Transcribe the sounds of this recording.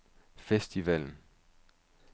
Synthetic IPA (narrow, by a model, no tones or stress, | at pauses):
fesd̥iʋɛln̩